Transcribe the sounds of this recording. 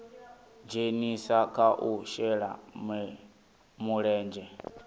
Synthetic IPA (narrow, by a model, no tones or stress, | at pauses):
d͡ʒenisakaʔuʃɛɺa̰mɛ | muɺɛːnd͡ʒɛ